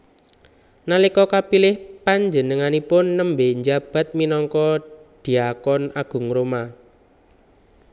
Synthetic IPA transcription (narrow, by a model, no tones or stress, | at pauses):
nalikɔkapilɪhpaɲd͡ʒənəŋanipʊnːəmbeɲd͡ʒab̥a̤t̪̚minɔŋkɔd̪̥i̤akɔnaɡ̥ʊ̤ŋɾoma